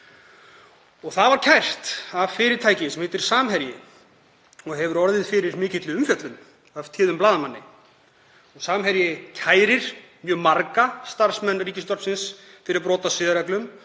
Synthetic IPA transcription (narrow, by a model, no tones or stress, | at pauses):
ɔɣθaðvaɾ̥cʰajr̥t̪avfɪːɾɪɾ̥t̪ʰaːjcɪsɛmhɪːt̪ɪɾ̥saːmɦɛɾjɪ | ɔɣɦɛvʏɾɔɾðɪðfɪɾɪɾmɪːcɪt̪lɪʏmfjœt̪lʏm | aft̪ʰɪːðʏmplaːðamanːɪ̰ | ɔɣsaːmɦɛɾjɪcʰaːjɾɪɾ̥ | mjœːɣmaɾkast̪aɾ̥smɛnːriːcɪst̪ɔrpsɪns | fɪɾɪɾpɾɔːt̪asɪːðɾaklʏm